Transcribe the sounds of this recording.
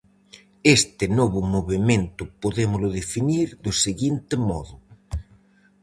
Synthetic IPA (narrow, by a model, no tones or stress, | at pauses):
est̪ɪnɔβʊmoβemẽnt̪ʊpoðemʊlʊðefiniɾðʊseɣint̪ɪmɔðʊ